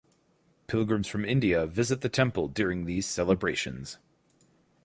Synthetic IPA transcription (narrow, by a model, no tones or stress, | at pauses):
pʰɪlˠɡɹɨ̃mz̥fɹʌ̃mɪ̃ndiɨvɪzɨt̪̚ðɨtʰɛ̃mpl̩ˠdʊɹɪ̃ŋðiz̥sɛlˠəbɹeɪʃɨ̰̃nz̥